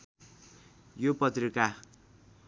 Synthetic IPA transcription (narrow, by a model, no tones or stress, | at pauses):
jopʌt̪rika